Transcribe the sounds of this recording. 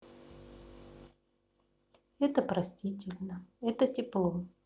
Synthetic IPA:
ɛt̪əpɾɐsʲtʲitʲɪlʲnəɛt̪ətʲɪplˠo

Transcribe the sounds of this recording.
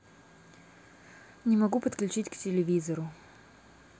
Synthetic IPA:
nʲɪmɐɡupət̪klʲʉt͡ɕitʲktʲɪlʲɪvʲizəɾʊ

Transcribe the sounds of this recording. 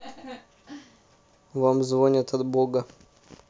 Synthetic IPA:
vamzvonʲət̪ɐd̪boɡə

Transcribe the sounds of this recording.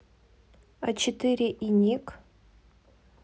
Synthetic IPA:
a̰t͡ʃʰɪtʰɨɾʲɪʔinʲik

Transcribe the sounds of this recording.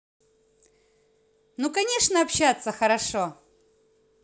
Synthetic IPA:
nukɐnʲeʂnəɐpɕat̪sːəxəɾɐʂo

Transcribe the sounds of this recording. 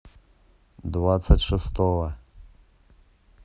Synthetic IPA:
d̪vat̪sətʲʂɨst̪ɔvɐ

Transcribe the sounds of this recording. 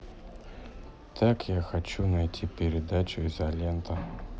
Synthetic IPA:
t̪ʰakjaxɐt͡ɕunɐjtʲʰipʲɪɾʲɪd̪at͡ɕʊizɐlʲɛnt̪ɐ

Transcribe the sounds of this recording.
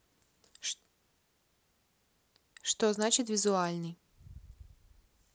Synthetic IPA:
ʂt̪ɔznat͡ʃɪt̪ʲvʲizʊalʲnɨj

